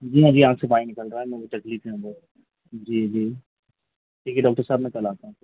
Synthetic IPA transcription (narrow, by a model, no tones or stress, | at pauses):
d͡ʒiːɐbiãːksebaːinɪkəlɾaaɛmɛ̃oʈ̪ɐkliːfneɦũɡa | d͡ʒiːd͡ʒiː | ʈʰiːkɛɖɔːk̚ʈəɾsaːbmɛ̃kɐlaːt̪aɦũ